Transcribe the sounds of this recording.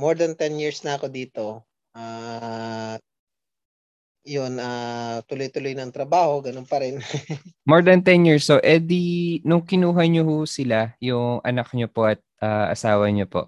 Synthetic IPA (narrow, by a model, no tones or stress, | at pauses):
moɹd̪ɐnt̪ɛnjiɹsnɐɐko̞d̪iːt̪o̞ | ʔa | jonat̪ʊlojt̪ʊlojnɐŋt̪ɾɐbaːho̞ɡɐnonpɐɾɛnmoɹd̪ɐnt̪ɛnjiɹsoʔɛd̪inʊŋkɪnuːɦɐɲohusɪlajʊŋʔɐ̰nɐk̚ɲopo̞ʔɐt̪̚ʔaːʔɐ̰saːwɐɲopo̞̰ʔ